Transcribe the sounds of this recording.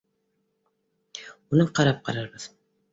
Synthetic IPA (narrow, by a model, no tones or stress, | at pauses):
munɯqʰɑɾɑp̚qʰɑ̰ɾɑɾbɯz̥